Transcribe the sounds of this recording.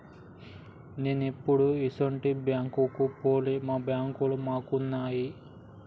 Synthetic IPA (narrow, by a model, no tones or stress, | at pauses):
neːnepːuɽuisoɳʈibjaːŋkukupoːlimaːbjaːŋkulumaːkunːaːji